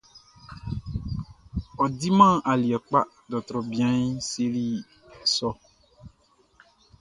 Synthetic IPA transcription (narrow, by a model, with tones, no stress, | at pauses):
ɔ˨di˦mã˦˨ʔa˨li˨ɛ˨k͡pa˦ | dɔ˨t̪ɾɔ˨bi˨ã˦ɲ˦se˦li˦ | sɔ˦